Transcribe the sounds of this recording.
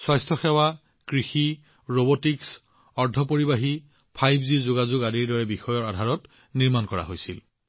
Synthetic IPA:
swajstʰɔxewa | kɹixi | ɹobotiks | ɔɹdʱɔpoɹibaɦi | pʰajbzizʊɡazʊɡadiɹdɔɹɛbixɔjɔɹadʱaɹɔt | niɹmankɔɹa̰ɦojsil

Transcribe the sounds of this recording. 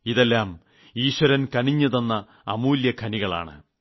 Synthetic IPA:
iðelːaːm | iːɕwɐɾɐnkɐniɲːɐðenːɐː | muːljɐkʰɐniɣɐɭa̰ːɳɨ̰

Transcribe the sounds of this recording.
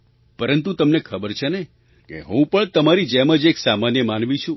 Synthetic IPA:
pəɾənt̪ũt̪əmnekʰəbəɾt͡ʃʰene | kḛɦũpəɳt̪əmaɾid͡ʒeməd͡ʒeksamanjəmanʋĩt͡ʃʰũ

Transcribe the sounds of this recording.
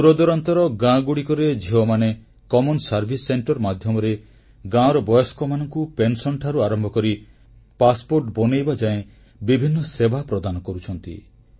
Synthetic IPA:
tuɾɔd̪ɔɾɔnt̪ɔɾɔɡãɡuɽikɔɾed͡ʒiɦɔmane | kɔmɔnsaɾbʱisːeɳʈɔɾmad̪ʱjɔmɔɾe | ɡãɔɾɔbɔjɔskɔmanɔŋkupensɔɳʈʰaɾuaɾɔmbʱɔkɔɾi | paspoɾʈbɔnejbad͡ʒaẽ | bibʱinːɔsebʱapɾɔd̪anɔkɔɾut͡ʃʰɔnt̪ḭ

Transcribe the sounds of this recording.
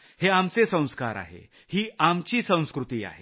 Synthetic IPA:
heamt͡sesə̃w̃skaɾa̰ɦḛ | hiːamt͡ɕiːsə̃w̃skɾut̪iːa̰ɦe

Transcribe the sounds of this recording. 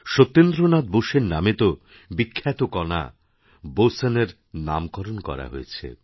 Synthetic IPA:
ʃot̪ːend̪ɾonad̪̚boʃeɾnamet̪o | bikʰːat̪okɔna̰ | boseneɾ | na̰mkɔɾonkɔ̰ɾa̰ɦoet͡ɕʰḛ

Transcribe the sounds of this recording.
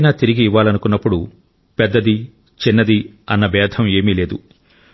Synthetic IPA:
naːt̪iɾiɡiːʋːaːlɐnukunːɐpːuɽu | pɛd̪ːɐd̪i | t͡ʃinːɐd̪iɐnːɐbɛːd̪ʱʰɐme̞ːmiːle̞ːd̪u

